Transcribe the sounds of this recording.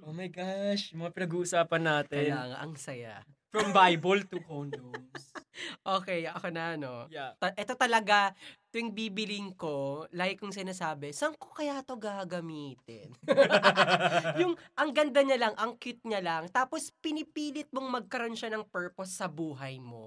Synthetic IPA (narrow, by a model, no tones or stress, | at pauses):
ʔomɐjɡaʃmɐŋapɪnɐɡuːʔʊsaːpɐnːaːt̪ɛɐaːŋa̰ʔɐŋsɐja̰fɹɐmbajbolt̪ukonsʔoːkɛjɐkonɐʔɐnot̪ɐʔɛt̪o̞t̪ɐlɐɡat̪ojɪŋbiːbɪlɪŋko̞laːɡɪkjʊŋsɪnaːsaːbɛsɐɐŋkokɐjaːt̪o̞ɡaːɡɐmiːt̪ɪ̰n | jʊŋʔɐŋɡɐnd̪ɐɲɐlɐŋʔɐŋkɪt̪̚ɲɐlɐŋt̪aːpo̞spɪnɪpiːlɪt̪̚moŋmɐɡ̚kɐɾʔo̞nʃanɐŋpɛɹposːɐbuːɦɐjmo̞̰